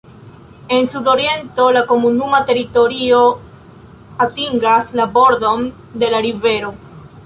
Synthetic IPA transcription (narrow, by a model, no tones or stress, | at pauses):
e̞nsudo̞ɾie̞nto̞lako̞munumate̞ɾito̞ɾio | atiŋɡaslabo̞ɾdo̞n | de̞laɾive̞ɾo̞